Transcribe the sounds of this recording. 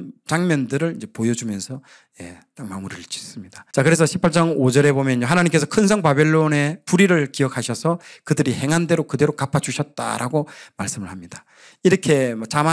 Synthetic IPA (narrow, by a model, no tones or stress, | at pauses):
t͡ɕaŋmʌndɯɾɯɭind͡ʑe̞pojʌd͡ʑumjʌnsʰʌ | je̞̰t͈akmamuɾiɭt͡ɕi̥s͈ɯmɲid̥ḁt͡ɕakɯɾe̞sʰʌɕʰipʰaɭt͡ɕ͈aŋod͡ʑʌɾe̞bomjʌnjoɦanaɲimk͈e̞sʰʌkʰɯnsʰʌŋbabeɭːone̞puɾiɾɯɭkiʌk̚ʰaɕʰʌsʰʌkɯdɯɾihe̞ŋɦande̞ɾokɯde̞ɾokapʰat͡ɕuɕʰʌt̚t͈a̰ɾʔaɡomaɭs͈ɯmɯɭhamɲida | iɾʌkʰe̞mʌt͡ɕama